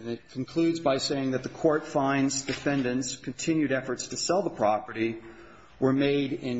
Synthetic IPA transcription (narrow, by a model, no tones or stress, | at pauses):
nɨt̚kʰn̩kʰl̥ʉdzbaɪseɪɪ̃ŋðɨt̪̚ðəkʰɔɹtfãɪ̃nzd̥ɨfɛ̃ndɨ̃ntskʰɨ̃n̩tʰɪ̃njʉɾɛfə˞tstʰɨsɛlˠðəpʰɹ̥ɑpə˞ɾi | wə˞meɪɾɪ̃n